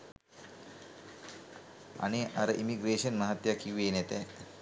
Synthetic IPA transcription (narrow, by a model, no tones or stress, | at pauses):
ɐ̰neʔɐɾəʔimiɡɾeːʃənmɐɦat̪jakiʋeːnɛt̪ɛ